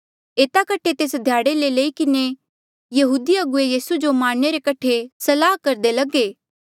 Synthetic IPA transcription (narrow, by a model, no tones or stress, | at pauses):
eːt̪akɐʈʰːet̪eːsd̪ʱjaːɽeleleːikɪne | jɐɦuːd̪iɐɡʊejiːsud͡ʒomãːɽneɾekɐʈʰesɐlaːɦkɐɾd̪elɐɡeː